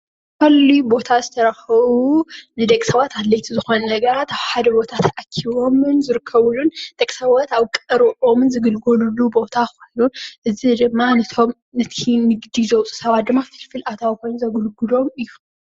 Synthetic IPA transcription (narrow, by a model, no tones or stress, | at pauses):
kɐlːibo̞t̪ʰazɨt̪ʰɐɾɐxɐβunɨd̪ɐkʼsɐβat̪ad̪lɐjt̪ʰizɨxo̞nnɐɡɐɾat̪aβħad̪ɐbo̞t̪ʰat̪ʰɐʔakʰiβo̞mɨnzɨɾɨkʰːɐβulund̪̥ɐkʼsɐβat̪aβkʼɨɾɨʕo̞mnzɨɡɨlɡolulːubo̞t̪ʰakojnuʔɨzid̪ɨmːanɐt̪ʰom | nɐt̪ʰinɨɡd̪izɐwt͡sʼu̥sɐβat̪̚d̪ɨmːafɨlfɨlʔat̪ʰawiko̞jnzɐɡulɡulo̞mɨjːu